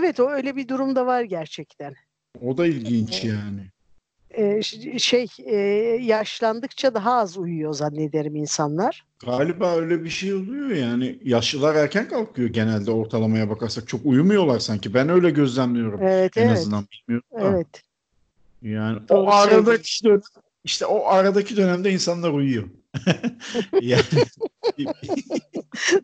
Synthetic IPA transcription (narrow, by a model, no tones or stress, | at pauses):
evɛt̪o̞øjlʲɛbid̪uɾumd̪avaɾɟæɾt͡ʃʰɛct̪ʰæn | o̞d̪ailʲɟint͡ʃjaːnɪ | ɛːʃejɛːjaʃlˠand̪ɯkt͡ʃʰad̪aɦaːzujujozanːed̪eɾiminsanlˠaɾ̥ | ɡ̥aːlʲibaːø̞jlʲɛbiʃejo̞lˠujo̞jaːnɪjaʃɯlˠaɾæɾcʰænkʰalˠkʰɯjo̞ɟe̞nælʲd̪ɛo̞ɾt̪ʰalˠamajabakʰaɾsak̚t͡ʃʰo̞kujumujo̞lˠaɾsaɲcibænø̞jlʲɛɟø̞zlʲænmijo̞ɾumevɛt̪enazvzɛɯnd̪anbilʲmijo̞uevɛt̪ | jaːnioaɾad̪ad̪øn | iʃt̪ʰɛʔo̞ʔaɾad̪acʰid̪ø̞næmd̪ɛinsanlˠaɾujujo̞ | jaːnib